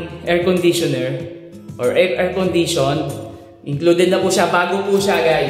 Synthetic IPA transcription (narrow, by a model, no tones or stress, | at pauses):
ʔɛɹkɔnd̪iʃɔnɛɹ | ʔɔɹʔɛʔɛɹkɔnd̪iʃon | ʔɪŋkluːd̪ɛd̪nɐpʊʃabaːɡopuʃaɡaj